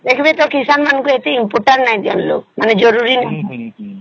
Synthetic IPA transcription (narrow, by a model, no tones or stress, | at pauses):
lekʰbet̪okisanmankuet̪iimpoʈãɳʈnaĩd̪ianlo̰kmaned͡ʒɔɾuɾina